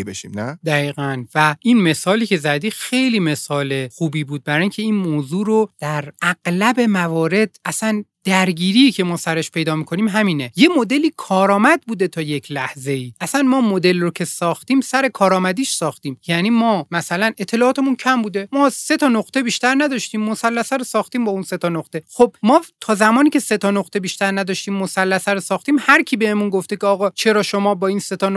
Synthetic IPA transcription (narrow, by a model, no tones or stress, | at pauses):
beʃḭːmnæd̪æɣiːɣænvæinme̞sɒːliːcʰe̞zæd̪iːxe̞jliːme̞sɒːle̞xuːbiːbuːd̪̚bæɾɒːjŋcʰe̞iːnmoːzuːɾod̪̥æɾʔæɡ̥læbe̞mævɒːɾe̞d̪̥æsænd̪̥æɾɟiːɾiːcʰe̞mɒːsæɾe̞ʃpʰe̞jd̪ɒːmikʰo̞niːmɦæmiːne̞je̞mo̞d̪eliːkʰɒːɾɒːmæd̪̚buːd̪e̞t̪ʰɒːje̞cʰlæhze̞iːʔæsænmɒːmo̞d̪e̞lrocʰe̞sɒːxt̪iːmsæɾe̞kʰɒːɾɒːmæd̪iːʃsɒːxt̪iːmjæniːmɒːmæsælæne̞t̪ʰːe̞lɒːɒːt̪ʰe̞muncʰæmbuːd̪e̞mɒːse̞t̪ʰɒːnoqt̪e̞biʃt̪æɾnæd̪ɒʃt̪iːmːosælːæsæɾosɒːxt̪iːmbɒːunse̞t̪ʰɒnoχt̪e̞xobmɒːt̪ʰɒːzæmɒːniːcʲʰe̞se̞t̪ʰɒnoqt̪ʰebiʃt̪æɾnæd̪ɒːʃt̪iːmːosælːæsæɾosɒːχt̪iːmhæɾcʰiːbe̞hemunɡo̞ft̪eceɒːɣɒːt͡ʃʰe̞ɾɒːʃo̞mɒːbɒːiːnse̞t̪ʰɒːn